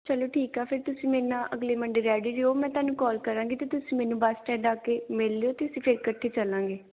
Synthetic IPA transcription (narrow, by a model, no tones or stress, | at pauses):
t͡ʃəloːʈʰiːkaːpʰɪɾt̪ʊsĩːmeːnãːʔəɡleːməɳɖeːɾɛːɖiːɾeːoːmɛ̃ːt̪ʊaːnũːkɔːlkəɾãːŋɡiːt̪eːt̪ʊsĩːmɛːnũːbaːsʈɛ̃ːɖaːkeːmɪlːeːoːt̪eːʊsĩːpʰɪɾkəʈʰːeːt͡ʃəlãːŋɡeː